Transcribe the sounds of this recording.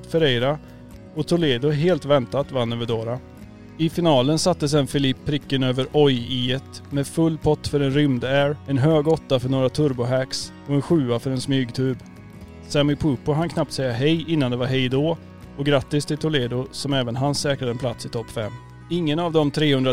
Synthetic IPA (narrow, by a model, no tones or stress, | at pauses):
fɛɾɛjɾa | ɔt̪ʰʊleːd̪ʊɦeːlt̪vɛnt̪at̪vanːøvəɖoːɾa | ɪfɪnɑːlənsat̪ːəs̬ɛnfɪlɪpʰːɾɪkːənøːvəɾʔɔjiːət̪mɛfɵlːpʰɔt̪ːfœɾɛnɾʏmd̪æːɾɛnɦøːɡɔt̪ːafœɳoːɾat̪ʰɵɾbʊɦæks | ɔɛnɧʉ̟ːafœɾɛnsmyːɡt̪ʰʉ̟ːb | sæmɪpʰʉːpʊɦankʰnap̚t̪sɛjːaɦɛjɪnːand̪ɛvaɾɦɛjd̪oː | ɔɡɾat̪ːɪst̪ʰɪlt̪ʰʊleːd̪ʊsɔmɛːvənɦansɛːkɾad̪əɛnplat̪sɪt̪ʰɔpːfɛmː | ɪŋːənavd̪ɔmt̪ʰɾeːhɵnd̪ɾa